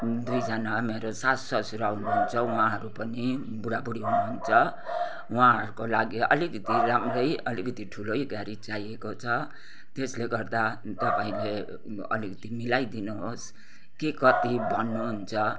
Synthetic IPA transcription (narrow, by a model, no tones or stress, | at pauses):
d̪ujd͡zanameɾosasʌsuɾawnuɦunt͡sʰʌuɦãɦʌɾupʌni | buɽabuɽiɦunuɦunt͡sʰʌ | wãɦʌɾukolaɡiʌ̰likʌt̪ilamrʌjʌlikʌt̪iʈʰulojɡaɾit͡saiekot͡sʰʌ | t̪esleɡʌrd̪a | t̪ʌpaĩle | ʌ̰likʌt̪imilajd̪inuɦos | kikʌt̪ibʱʌnːuɦunt͡sʰʌ